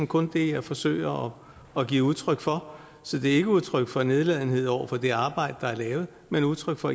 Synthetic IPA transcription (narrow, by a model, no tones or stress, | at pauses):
m̩kʰɔ̽nd̥e̝jɑɪfɒ̽sø̰ɪ̰ɐɒ̽ː | ɡ̥iːuðˠt͡sʰʁœɡ̥fɒ̽ | sɒ̽d̥e̝æɐe̝ɡəuð̞ˠt͡sʰʁœɡ̥fɒ̽ne̝ðˠlɛð̰ˠn̩he̝ð̞̰ˠɒ̰ʊ̰ɐfɒ̽d̥e̝ɑ̈ːb̥ɑ̈ɪ̰d̥əd̥ɑ̈æɐlɛːʊð̞̩ˠmenuðˠt͡sʰʁœɡ̥fɒ̽